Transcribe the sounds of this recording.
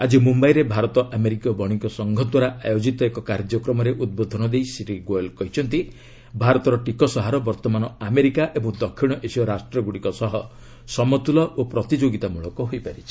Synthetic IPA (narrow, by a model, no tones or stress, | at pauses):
ad͡ʒimumbajɾebʱaɾɔt̪ɔʔameɾikɔbɔɽ̃iŋkɔsɔŋɡʱɔd̪waɾaʔajod͡ʒit̪ɔekɔkaɾd͡ʒɔkɾɔmɔɾeʔud̪̚bod̪ʱɔnɔd̪ejsiʈiɡojlkɔɦit͡ʃʰɔnt̪i | bʱaɾɔt̪ɔɾɔʈikɔsɔɦaɾɔbɔɾt̪ɔmanɔameɾikaʔebɔŋd̪ɔkʰːiɽ̃ɔʔesiɔɾasʈɾɔɡuɽikɔsɔɦɔ | sɔmɔt̪ulɔʔopɾɔt̪id͡ʒoɡit̪amuɭɔkɔɦojpaɾit͡ʃʰi̥